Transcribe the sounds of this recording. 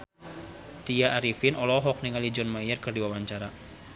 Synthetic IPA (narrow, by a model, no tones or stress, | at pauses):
t̪iaʔaɾifinɔlɔɦɔk̚niŋalid͡ʒɔnmajərkɨrdiwawaɲt͡ʃaɾa